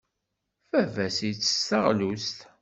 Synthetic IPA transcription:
fævæsijt͡sːə̥stəʁlust̪

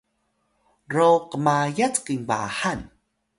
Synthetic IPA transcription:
rowqəmajat͡skiŋba̰han

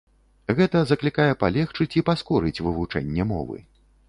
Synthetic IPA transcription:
ɣɛt̪ɐzɐklʲikajɛpalʲɛxt͡ʂɨt͡sʲipaskɔɾɨt͡sʲvɨvut͡ʂɛ̰nʲːɛmɔ̰vɨ̰

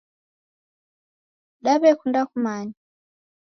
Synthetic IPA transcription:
ɗaβɛkʰundakʰumaːɲi

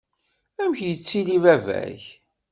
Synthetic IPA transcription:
æmçjət͡sːilivævæ̰ç

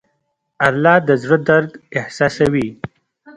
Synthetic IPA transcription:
alːɑd̪əzɽod̪aɾɡɪhsɑsawi

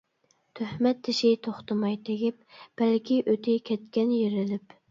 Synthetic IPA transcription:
t̪ʰøhmɛt̪ʰːɪʃɪt̪ʰoχt̪ʰɨmɑjt̪ʰeɡʲɪp̚b̥ɛlkʲiʔøt̪ʰɪkʲʰɛt̪kʲɛnjeɾɪlɪp

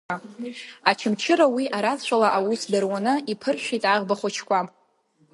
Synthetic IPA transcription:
at͡ʃʰɪmt͡ʃʰɪɾawiʔaɾazʃʷalaʔawusdarwanɨipʰɨrʃʷᶣitʼaʁbaχʷat͡ʃʰkʷam

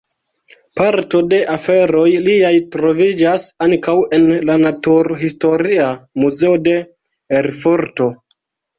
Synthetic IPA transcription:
paɾto̞de̞ʔafe̞ɾo̞jliajtɾo̞vid͡ʒasaŋkawe̞nlanatuɾɦisto̞ɾiamuze̞ode̞ | eɾfoɾto̞

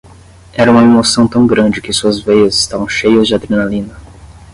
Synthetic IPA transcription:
ɛɾɐũmɐemosɐ̃w̃t̪ɐ̃w̃ɡɾɐ̃nd͡ʒɪkɪsuɐzvejɐzɪ̥st̪avɐ̃w̃ʃejɐzd͡ʒɪad̪ɾenalĩnɐ

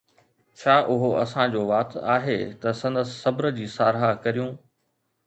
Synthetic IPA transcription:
t͡ɕʰaːʔʊɦoɐ̰sãd͡ʑoːʋaːt̪a̰ːɦet̪ɐsɐ̃nd̪əsːɐbɾəd͡ʑiːsaːɾɦakɐɾijũː

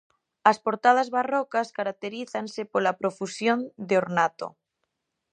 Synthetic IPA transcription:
aspoɾt̪að̞azβarokaskaɾak̚t̪eɾiθansepolapɾofusjond̪eoɾnat̪o̰

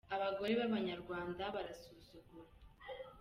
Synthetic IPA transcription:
aβaɡo̞ɾe̞βaβaɲaɾɡwaːndaβaɾasuzuɡuɾa

